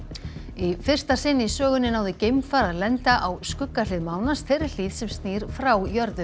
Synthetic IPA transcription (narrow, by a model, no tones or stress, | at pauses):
ifɪr̥st̪asɪnːisœːɣʏnːɪnaːwðɪcejmfaɾaðlɛnt̪aʔawskʏkːalɪðmaːwnast̪ʰɛɾɪl̥iːðsɛmst̪niːɾ̥fɾawjœɾðʏ